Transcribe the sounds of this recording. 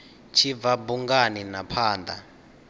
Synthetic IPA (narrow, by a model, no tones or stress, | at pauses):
t͡ʃʰivabuŋɡaninapʰaːnd̪ʱa̰